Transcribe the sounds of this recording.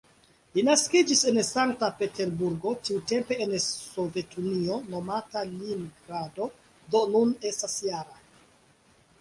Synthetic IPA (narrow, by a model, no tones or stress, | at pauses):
linaskid͡ʒise̞nsaŋk̚tape̞te̞ɾbuɾɡo̞tiute̞mpe̞ːnsove̞tʰunio̞no̞matalinɡɾado̞ | do̞nune̞stasjaɾa